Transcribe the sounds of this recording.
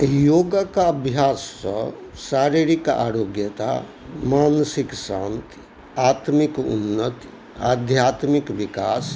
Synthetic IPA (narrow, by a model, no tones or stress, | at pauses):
joːɡəkaəbʱjasːəsaɾiɾika̰ɾoɡjət̪a̰ | maːnsiksãnt̪ | at̪mikṵnːət̪ | a̰d̪ʱjat̪mikʋikaːs